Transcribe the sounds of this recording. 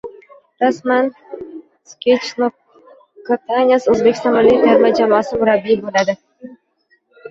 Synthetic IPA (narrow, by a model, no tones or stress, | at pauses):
ɾasman | skʲʰet͡ʃno | kːat̪ʰanʲasɵzbekʲɪ̥st̪ɑnmɪlːijd̪aɾmad͡ʒamɒːsɪmʊɾabːibolad̪ɪ